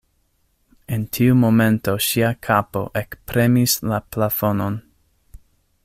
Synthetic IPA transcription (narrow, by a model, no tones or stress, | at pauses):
entʰiumo̞mẽ̞nto̞ʃiakʰapo̞̰ʔekpɾe̞mislaplafo̞no̞n